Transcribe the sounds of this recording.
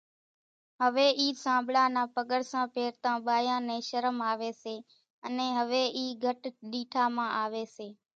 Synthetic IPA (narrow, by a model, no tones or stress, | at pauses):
ɦəʋeːʔiːsãːblaːnãːpəɠəɽsãːpeːɾt̪ãːɓaːjãːnẽːʃəɾəmaːʋeːseː | ənẽːɦəʋeːʔiːɡʱəʈɗiːʈʰaːmãːʔaːʋeːseː